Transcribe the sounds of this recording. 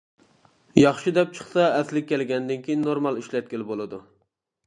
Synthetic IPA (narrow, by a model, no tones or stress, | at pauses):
jɑχʃid̪ɛp̚t͡ʃʰə̥χsɑɛslɪkʲːɛlɡʲɛnd̪ɪnkʲʰijinːoɾmɑlˠiʃlɛt̪̚kʲɪlbolˠɨd̪u